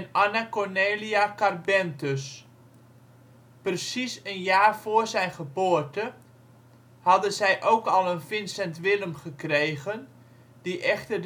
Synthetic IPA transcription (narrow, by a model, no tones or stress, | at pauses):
nanakorneːliakarbɛntøs | prəsisənjaːrfoːrzɛjnχəboːərtə | hɑdənzɛjʔowkɑlˠənfɪnsɛntʋɪləmχəkrejɣən | d̥iʔɛχtər